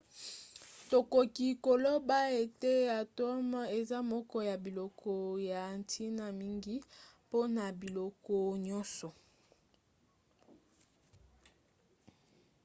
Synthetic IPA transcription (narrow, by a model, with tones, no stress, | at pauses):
to˨ko˨ki˨ko˨lo˦ba˦e˨te˦ja˨to˦m˦e˨za˦mɔ˦kɔ˦ja˨bi˨lɔ˨kʰɔ˨ja˨n˨tʰi˦na˨mi˦ŋɡi˦po˦na˨bi˨lɔ˨kɔ˦ɲɔ˦nsɔ˨